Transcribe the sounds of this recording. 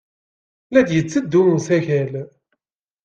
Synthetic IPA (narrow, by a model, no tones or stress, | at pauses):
læd̪jət͡sːəd̪ːumusæçæl